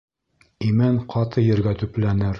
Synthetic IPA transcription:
imæɴqʰɑt̪ɤjɘ̆ɾɡæt̪ɵplænɘɾ

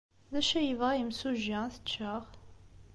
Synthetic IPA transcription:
ðæʃæjəvʁajəmsuʒæθət͡ʃːəʁ

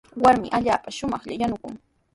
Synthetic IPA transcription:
waɾmɪ̰ʔaʎaːpaʃʊmɑχʎajanʊkʊ̰ŋ

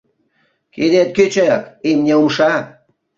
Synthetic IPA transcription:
ked̪et̪̚kʲøt͡ɕøkimnʲeumʃɑ

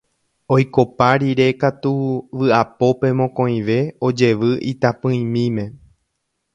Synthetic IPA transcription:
o̞jko̞paɾiɾe̞kat̪uʋɨapo̞pe̞mõkõ̞j̃ʋe̞o̞d͡ʒe̞ʋɨʔit̪apɨ̃ĩmĩmẽ̞

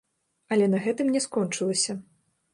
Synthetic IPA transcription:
ɐlʲɛnɐɣɛt̪ɨmnʲɛskɔnt͡ʂɨlˠɐsʲɐ

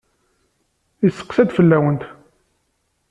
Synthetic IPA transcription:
isːə̥qsæd̪fəlːæwənt̪

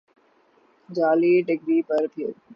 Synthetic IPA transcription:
d͡ʑaːliːʈɪɡɾiːpɐɾt̪ʰie

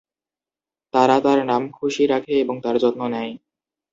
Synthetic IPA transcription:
t̪aɾat̪aɾnamkʰuʃiɾakʰeeboŋt̪aɾd͡ʑɔtnonɛj

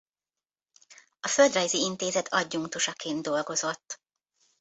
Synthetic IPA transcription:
ɒføld̪rɒjziint̪eːzɛt̪ʰɒɟːuŋt̪uʃɒkʰeːnd̪d̪o̞lɡo̞zo̞t̪ː

